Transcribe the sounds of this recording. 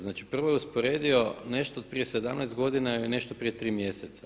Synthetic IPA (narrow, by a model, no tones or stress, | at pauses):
znaːt͡ʃi̥pr̩ʋojeuspoɾe̞ːd̪io̞ne̞ʃt̪oːt̪̚pɾijesed̪amnɛjst̪ɡo̞d̪inaine̞ʃt̪opɾije̞t̪ɾiːmje̞set̪sa